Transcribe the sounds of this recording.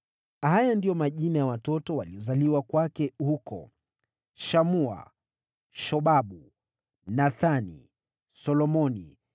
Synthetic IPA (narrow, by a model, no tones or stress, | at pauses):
hajandijɔmaʄinajawatɔtɔwaliɔzaliwakwakɛhukɔ̰ | ʃamua̰ | ʃɔɓaɓu | naθanḭ | sɔlɔmɔnḭ